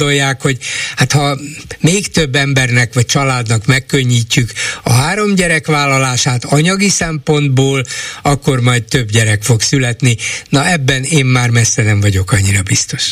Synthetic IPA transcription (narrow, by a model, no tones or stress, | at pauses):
o̞jːaːkho̞ɟhat̪hɒmeːkt̪øbːɛmbɛrnɛkʋɒc̚t͡ʃɒlaːd̪nɒkmɛkːø̞ɲːiːcːykɒɦaːɾo̞mɟɛɾɛkʋaːlːɒlaːʃaːt̪ɒɲɒɡisɛmpo̞nd̪boːlɒkːo̞rmɒjtt̪ø̞bɟɛɾɛkfo̞ksylɛt̪ninɒɛbːɛneːmːaːrmɛsːɛnɛɱvɒɟo̞kɒɲːiɾɒbist̪o̞ʃ